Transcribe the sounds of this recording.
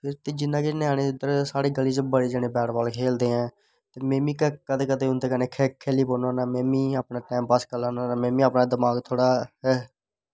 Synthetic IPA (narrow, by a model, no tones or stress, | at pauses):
pʰɪɾt̪eːd͡ʒɪnːãːkeneaːneːɪd̪əɾsaːɽeːɡəliːt͡ʃbəɽiːd͡ʒaːnẽːbɛːʈbaːlkʰeːld̪eːɦɛ̃ː | t̪eːmẽːmĩːkəkəd̪ekəd̪eːɦʊnd̪eːkəneːkʰekʰeːliːpoːnaːnaːmẽːmĩːaːpnaːʈɛːmpəskəlaːnaːamẽːmĩːəːpnaːd̪əmaːɡt̪ʰoːɽaːɛː